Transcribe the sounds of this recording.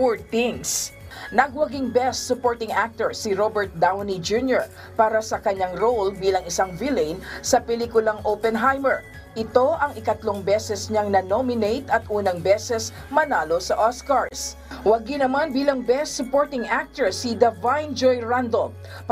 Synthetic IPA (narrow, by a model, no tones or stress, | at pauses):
ɹt̪ɪŋs | nɐɡwɐɡɪŋbɛst̪sʊpoɹt̪ɪŋak̚t̪ɛɹsiɾobɛɹt̪̚d̪awnid͡ʒunjoɹ | paːɾɐsɐkɐɲaŋɾowlbiːlɐŋɪsaŋvilɛjnsɐpɛliːkʊlɐŋʔowpɛnɦajmɛɹ | ʔɪt̪o̞ʔɐŋʔɪkɐt̪loŋbɛsɛsɲaŋnɐnomɪnejt̪ɐt̪̚ʔuːnɐŋbɛsɛs | mɐnaːlosɐʔoskaɹs | wɐɡɪnɐmanbiːlɐŋbɛst̪sʊpoɹt̪ɪŋʔak̚t̪ɛɹsid̪ɐvajnd͡ʒojɹand̪o